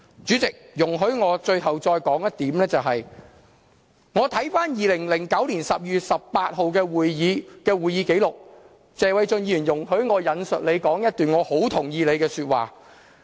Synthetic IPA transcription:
t͡syː˨˥t͡sɪ˨k̚jʊ˨˩ŋɦɵ˨˥ɥŋɔː˨˧t͡ʃɵ˧ɥɦɐ˨wt͡ʃɔː˧jkɔː˨˥ŋjɐ˥t̚t̪iː˨˥mlɛː˥t͡sɐ˨wɦɐ˨j | ŋɔː˨˧t̪ʰɐ˨˥jfaː˥njiː˨lɪ˨˩ŋlɪ˨˩ŋkɐ˨˥wliː˨˩nsɐ˨p̚jyː˨t̚sɐ˨p̚paː˧t̚ɦo˨wkɛː˧wuː˨jjiː˨˧kɛː˧wuː˨˩jiː˨˧˥ke˨˥jlʊ˨k̚ | t͡sɛː˨˧wɐ˨˧jt͡ʃɵ˧njiː˨˩njʊ˨˩ŋɦɵ˨˥ɥŋɔː˨˧jɐ˨˧nsɵ˨t̚le˨˧jkɔː˨˥ŋjɐ˥t̚t̪yː˨nŋɔː˨˧ho˨˥wt̪ʰʊ˨˩ŋjiː˨˧le˨˧jkɛː˧syː˧t̚wa̰ː˨˩

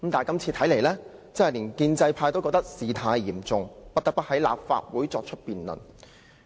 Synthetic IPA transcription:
mt̪aː˨˩jkɐ˥mt͡sʰiː˧t̪ʰɐ˨˥jle˨˩jlɛː˥ | t͡sɐ˥hɐ˨jliː˨˩nkiː˧nt͡sɐ˧jpʰaː˧jt̪o˥wkɔː˧k̚t̪ɐ˥k̚siː˨˧t̪ʰaː˧jːiː˨˩mt͡sʊ˧ŋpɐ˥t̚t̪ɐ˥p̪ɐ˥t̚hɐ˨˥jla̰ː˨p̚fa̰ː˧t̚wuː˨˥jt͡sɔː˧k̚t͡ʃʰɵ˥t̚piː˨nlɵ̰˨˩n

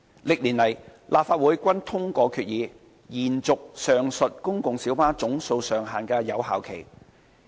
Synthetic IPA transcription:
lɪ˨k̚liː˨˩nlɐ˨˩jlʔaː˨p̚faː˧t̚wuː˨˥jkʷɐ˥nt̪ʰʊ˥ŋkɔː˧kʰyː˧t̚jiː˨˧ | jiː˨˩nt͡sʊ˨k̚sœː˨˩ŋsɵ˨t̚kʊ˥ŋkʊ˨ŋsiː˨˥wpaː˥t͡sʊ˨˥ŋso˧wsœː˨˩ŋɦaː˨˩nkɛː˧jɐ˨˧wha̰ː˨wkʰe˨˩j

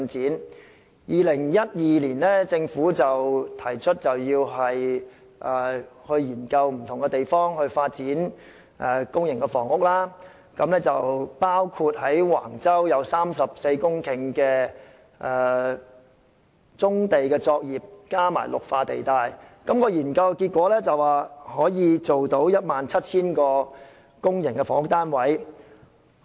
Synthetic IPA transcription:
nt͡siː˨˥n | jiː˨lɪ˨˩ŋjɐ˥t̚jiː˨liː˨˩nlɛː˥t͡sɪ˧ŋfuː˨˥t͡sɐ˨wt̪ʰɐ˨˩jt͡ʃʰɵ˥t̚t͡sɐ˨wjiː˧wɦɐ˨j | ʔɛː˨˩hɵ˧ɥjiː˨˩nkɐ˧wm̩˨˩t̪ʰʊ˨˩ŋkɛ˧t̪e˨jfɔː˥ŋhɵ˧ɥfaː˧t̚t͡siː˨˥n | ʔɛː˨˧kʊ˥ŋjɪ˨˩ŋkɛ˧fɔː˨˩ŋʊ˥k̚laː˥ | kɐ˨˧˥mlɛː˥t͡sɐ˨wpaː˥wkʰu˧t̚ɦɐ˨˥jwa̰ː˨˩ŋt͡sɐ˥wjɐ˨˧wsaː˥msɐ˨p̚se˧jkʊ˥ŋkʰɪ˨˩ŋkɛː˧ | ʔɛː˨ | t͡sʊ˥ŋt̪e˨jkɛː˧t͡sɔː˧k̚jiː˨p̚kaː˥ma̰ː˨˩jlʔʊ̰˨k̚faː˧t̪e˨jt̪aː˨jkɐ˨˦˥mkɔː˧jiː˨˩nkɐ˧wkiː˧t̚kʷɔː˨˥lɛː˥t͡sɐ˨waː˨˩hɔː˨˥jiː˨˧t͡so˨wt̪o˨˥wjɐ˥t̚maː˨nt͡sʰɐ˥t̚t͡sʰiː˥nkɔː˧ | kʊ˥ŋjɪ˨˩ŋkɛː˧fɔː˨˩ŋʊ˥k̚t̪aː˥nwɐ˨˥j

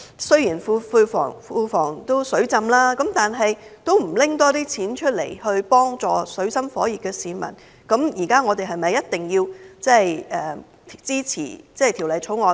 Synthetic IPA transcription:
sɵ˥ɥjiː˨˩nfu˧fuː˧fɔ̰ː˨˩ŋfuː˧fɔː˨˩ŋt̪o˥wsɵ˨˥ɥt͡sɐ˧mlaː˥kɐ˨˥mt̪aː˨nɦɐ˨jt̪o˥wm̩˨˩lɪ˥ŋt̪ɔː˥t̪iː˥t͡sʰiː˨˥nt͡ʃʰɵ˥t̚le˨˩jhɵ˧ɥpɔː˥ŋt͡sɔː˨sɵ˨˥ɥsɐ˥mfɔː˨˥jiː˨˩k̚kɛː˧siː˨˧mɐ̰˨˩n | kɐ˨˥mjiː˨˩kaː˥ŋɔː˨˧t̪e˨jɦɐ˨jmɐ˨jːɐ˥t̚t̪ɪ˨ŋjiː˧wt͡sɛ˥jʔɛː˨˩ | t͡siː˥t͡sʰḭː˨˩t͡sɛː˥˩jt̪ʰi˨˩wlɐ˨jt͡sʰo˨˥wŋɔː˨˧

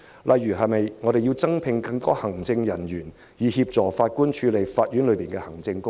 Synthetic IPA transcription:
lʔɐ˨jːyː˨˩ɦɐ˨jmɐ˨jŋɔː˨˧ɾe˨jiː˧wt͡sɐ˥ŋpʰɪ˨˧ŋkɐ˧ŋt̪ɔː˥hɐ˨˩ŋt͡sɪ˧ŋjɐ˨˩njyː˨˩n | jiː˨˩hiː˧p̚t͡sɔː˨faː˧t̚kuː˥nt͡ʃʰyː˨˧le˨˩jfaː˧t̚jyː˨˥nlɵ˨˧piː˨nkɛː˧hɐ˨˩ŋt͡sɪ˧ŋkʊ˥ŋ

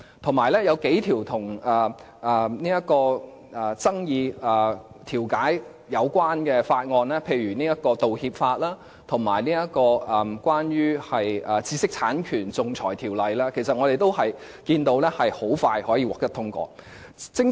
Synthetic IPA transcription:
t̪ʰʊ˨˩ŋmaː˨˩jlɛː˥jɐ˨˧wke˨˥jt̪ʰiː˨˩wt̪ʰʊ˨˩ŋɐː˨˩ | ɐ˨niː˥jɐ˥t̚kɔː˧ | ɐː˨˩t͡sɐ˥ŋjiː˧ɐː˨˩t̪ʰiː˨˩wkaː˨˥j | jɐ˨˧wkʷwaː˥nkɛː˧faː˧t̚ŋɔː˧nlɛː˥pʰe˧jɥyː˨˩niː˥jɐ˥t̚kɔː˧t̪o˨whiː˧p̚faː˧t̚laː˥ | t̪ʰʊ˨˩ŋma̰ː˨˩jniː˥jɐ˥t̚kɔː˧ɐ˨˩kʷwaː˥njyː˥hɐ˨jɐː˨˩t͡siː˧sɪ˥k̚t͡sʰaː˨˥nkʰyː˨˩nt͡sʊ˨ŋt͡sʰɔː˨˩jt̪ʰiː˨˩wlɐ˨˧jlaː˥kʰe˨˩sɐ˨t̚ŋɔ˨˧ɾe˨jt̪o˥whɐ˨j | kiː˧nt̪o˨˧wlɛː˥hɐ˨jho˨˥wfaː˧jhɔː˨˥jiː˧wɔː˨k̚t̪ɐ˥t̪ʰʊ˥ŋkʷɔ̰ː˧ | t͡sɪ˥ŋ

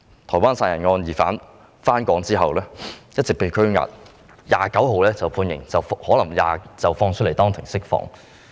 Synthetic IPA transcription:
t̪ʰɔː˨˩jwaː˥nsaː˧˩jɐ˨˩nŋɔː˧njiː˨˩faː˨˥n | faː˥nkɔː˨˥ŋt͡siː˥ɦɐ˨wlɛː˥jɐ˥t̚t͡sɪ˨k̚pe˨˧jkʰɵ˥ɥŋa̰ː˨˩t̚ | ja̰ː˨˩kɐ˨˥wɦo˨wlɛː˥t͡sɐ˨wpʰuː˧njɪ˨˩ŋt͡sɐ˨whɔː˨˥lɐ˨˩ŋja̰ː˨t͡sɐ˨˩wfɔː˧ŋt͡ʃʰɵ˥t̚le˨˩t̪ɔː˥ŋt̪ʰɪ˨˩ŋsɪ˥k̚fɔ̰ː˧ŋ

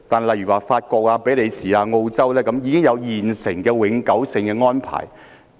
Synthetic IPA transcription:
t̪aː˨n˨˩lɐ˨˩jyː˨˩waː˨˩faː˧t̚kɔː˧k̚aː˧pe˨˥jle˨˧jsiː˨aː˧ŋo˧wt͡sɐ˥wlɛː˥kɐ˨˥mjiː˨˧kɪ˥ŋjɐ˨˧wjiː˨˩nsɪ˨˩ŋkɛː˧wɪ˨˥ŋkɐ˨˥wsɪ˧ŋkɛː˧ŋɔː˥npʰa̰ː˨˩j

